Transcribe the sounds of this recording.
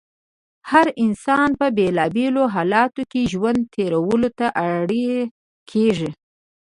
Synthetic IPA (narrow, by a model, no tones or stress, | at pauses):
haɾɪnsɑnpəbelɑbeloɦɑlɑt̪okeʒwand̪̚t̪ʰeɾawəlot̪aʔaɽe | kʰeʐi